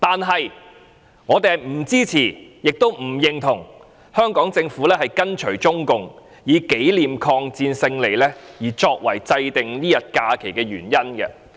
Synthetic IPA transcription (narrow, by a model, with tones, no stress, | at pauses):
t̪aː˨nɦɐ˨j | ŋɔː˨˧t̪e˨jhɐ˨jm̩˨˩t͡siː˥t͡sʰiː˨˩jɪ˨k̚t̪o˥wm̩˨˩jɪ˨ŋt̪ʰʊ˨˩ŋ | hœː˥ŋkɔː˨˥ŋt͡sɪ˧ŋfuː˨˥lɛː˥hɐ˨jkɐ˥nt͡ʃʰɵ˨˩ɥt͡ʃʊ˥ŋkʊ˨ŋ | jiː˨˧ke˨˥jliː˨mkʰɔː˧ŋt͡siː˧nsɪ˧ŋle˨˩jlɛː˥jiː˨˩t͡ʃɔː˧k̚wɐ˨˩jt͡sɐ˧jt̪ɪ˨ŋniː˥jɐ˨t̚kaː˧kʰe˨˩jkɛː˧ɥy̰ː˨˩njɐ˥nɡɛ̰˧